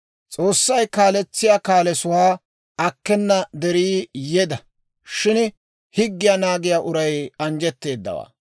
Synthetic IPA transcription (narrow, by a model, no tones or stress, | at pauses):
t͡sʼo̞ːsːɐjkaːlɛt͡sːɪjaːkaːlɛsʊwaː | ɐkːɛnːɐd̪ɛɾiːjɛd̪ɐ | ʃɪn | hɪɡːɪjanaːɡɪjaːʔʊɾɐjɐnd͡ʒɛt̪ːe̞ːd̪ːɐ̰wa̰ː